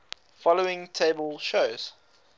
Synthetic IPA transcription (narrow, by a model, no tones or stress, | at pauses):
fɔloʊɪ̃ŋtʰeɪbəlˠʃoʊz̥